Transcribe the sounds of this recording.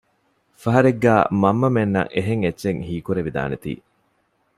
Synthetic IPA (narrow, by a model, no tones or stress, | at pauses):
fɐɦɐɾeɡːæːmɐmːɐmenːɐ̰ŋeɦeŋetːʃeŋhiːkuɾeʋid̪a̰ːnet̪ḭː